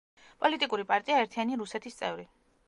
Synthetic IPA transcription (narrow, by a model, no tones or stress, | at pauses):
pʼɔlit̪ʼikʼuɾipʼaɾt̪ʼiaɛɾt̪ʰianiɾusɛt̪ʰist̪sʼɛ̰vɾi